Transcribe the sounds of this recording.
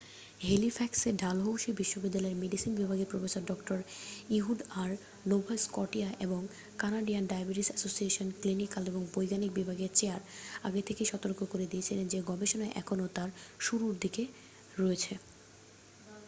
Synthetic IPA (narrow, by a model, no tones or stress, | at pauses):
ɦelifʰɛkseɖalɦowʃibiʃːobid̪ːalɔeɾmeɖisinbibʱaɡeɾpɾofesoɾɖɔkʈoɾiɦuɖaɾ | nobʱaskɔʈiaʔeboŋ | kanaɖianɖajbeɾisɛsosieʃonklinikaleboŋbojɡanik̚bibʱaɡeɾt͡ɕeaɾa̰ɡet̪ʰekejʃɔt̪oɾkokoɾed̪ijet͡ɕʰilend͡ʑeɡɔbeʃonaeʔɛ̰kʰonot̪aɾʃuɾuɾd̪ike | ɾoet͡ɕʰe